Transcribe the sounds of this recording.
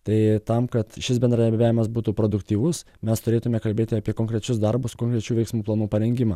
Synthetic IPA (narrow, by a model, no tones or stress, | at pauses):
t̪ɐɪt̪ɐmkɐt̪ʃʲɪsbʲɛnd̪ɾɐd̪ɐɾʲbʲæːʋʲɪmɐsbuːt̪uːpɾoːd̪ʊkt̪ʲiːʋʊs | mʲɛst̪ʊɾʲeːt̪ʊmʲɛkɐlʲbʲeːt̪ʲɪɐpʲiɛkoːŋkɾʲɛt͡ʃʲʊsd̪ɐɾbʊskoːŋkɾʲɛt͡ʃʲuːʋʲɛɪksmuːplˠɐːnuːpɐɾʲɛŋʲɡʲɪma̰ː